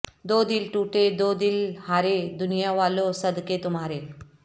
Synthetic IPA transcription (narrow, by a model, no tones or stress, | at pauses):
d̪oːd̪ilʈuːʈed̪od̪ilhaːɾed̪ʊnijaʋaːlosəd̪ket̪ʊmɦaːɾe